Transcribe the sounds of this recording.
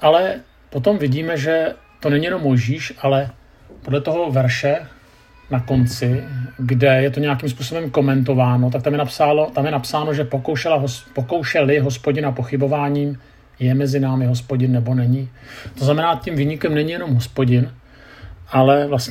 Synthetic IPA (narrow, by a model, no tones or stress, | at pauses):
ʔalɛ | pot̪o̞mvɪɟiːmɛʒɛ | t̪o̞nɛɲɪjɛno̞mːo̞jʒiːʃʔalɛ | podlɛt̪o̞ɦo̞vɛɾʃɛ | nako̞nt͡sɪɡdɛjɛt̪o̞ɲɛjakimspuːso̞bɛmko̞mɛnt̪̬o̞vaːno̞t̪̬ak̚t̪amjɛnapsaːlo̞t̪amjɛnapsaːno̞ʒɛpokowʃɛlaɦopoko̞wʃɛlɪɦo̞spoɟɪnapo̞xɪbo̞vaːɲiːm | jɛmɛzɪnaːmɪɦo̞spo̞ɟɪnːɛbo̞nɛɲɪt̪oznamɛnaːcimviːɲɪkɛmnɛɲɪjɛno̞mɦo̞spo̞ɟɪn | ʔalɛvlasɲɛ